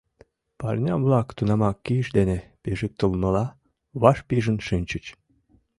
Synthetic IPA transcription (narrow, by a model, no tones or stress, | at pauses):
pɑrʲnʲɑβlɑkt̪unɑmɑkːiəʃd̪enepiʒik̚t̪əlˠmə̆lɑ | βɑʃpiʒə̆nʃinʲt͡ɕət͡ɕ